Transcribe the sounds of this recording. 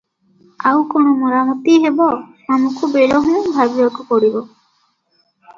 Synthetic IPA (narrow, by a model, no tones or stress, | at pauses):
awkonɔmɔɾamɔt̪iɦebɔsamukubeɾɔɦɔbʱabiɾɔkɔpɔɽibɔ